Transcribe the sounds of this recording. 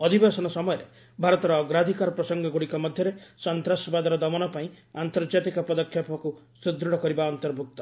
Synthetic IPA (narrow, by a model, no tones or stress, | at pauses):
ɔd̪ʱibesɔnɔsɔmɔjɔɾe | bʱaɾɔt̪ɔɾɔːɡɾad̪ʱikaɾɔpɾɔsɔŋɡɔɡuɽikɔmɔd̪ʱjɔɾesɔnt̪ɾasɔbad̪ɔɾɔd̪ɔmɔnɔpaĩ | ant̪ɔɾd͡ʒat̪ikɔpɔd̪ɔkʰːjɔpɔku | sud̪ɾɔɽɔkɔɾibaɔnt̪ɔɾbʱuk̚t̪ɔ